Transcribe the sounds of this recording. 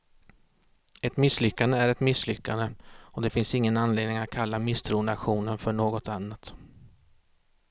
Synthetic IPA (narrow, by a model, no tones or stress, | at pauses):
ɛt̪mɪsːlʏkːand̪əæɾɛt̪mɪsːlʏkːand̪əɔd̪ɛfɪnsɪŋːənanleːd̪nɪŋat̪̚kʰalːamɪst̪ʰɾuːnaɧuːnənfœɳoːɡɔt̪anːat̪